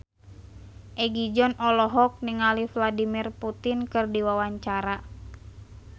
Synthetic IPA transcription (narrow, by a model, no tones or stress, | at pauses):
ʔɛɡid͡ʒɔnɔlɔɦɔk̚niŋalifladimirput̪inkɨrdiwawaɲt͡ʃaɾa